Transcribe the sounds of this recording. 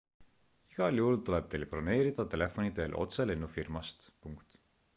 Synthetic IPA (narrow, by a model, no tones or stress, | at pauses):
iɡ̥ɑljuhult̪ule̞b̥t̪elplɑne̞ːɾid̪̥ɑt̪e̞le̞fo̞nid̪e̞lʔo̞̰t̪se̞lenːufirmɑst̪puŋkt̪